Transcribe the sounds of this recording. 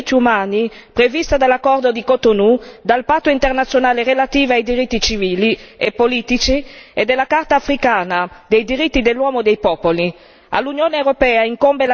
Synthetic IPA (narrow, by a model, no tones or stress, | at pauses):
t̪ːiumaːni | pɾevist̪ad̪alːakːɔrd̪od̪ikot̪onud̪alpat̪ːoint̪ernat̪sːjonaːlerelat̪iːvoajd̪iɾit̪ːit͡ʃiviːliepːoliːt̪it͡ʃied̪elːakart̪aːfɾikaːnad̪ejd̪iɾit̪ːid̪elːwɔːmod̪ejpɔːpoli | a̰lːunjoːneewɾopɛːaiŋkombela